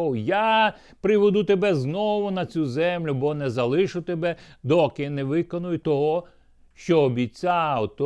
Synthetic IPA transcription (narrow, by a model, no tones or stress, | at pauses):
wja | pɾɪʋɔd̪ut̪ebɛznɔʋʊnɐt͡sʲuzɛmlʲʊbɔnɛzɐlˠɪʃʊt̪ebɛd̪ɔkɪnɛʋɪkɔnʊjʊt̪ɔɦɔ | ʃt͡ʃɔːbʲit͡sʲawt̪ɔ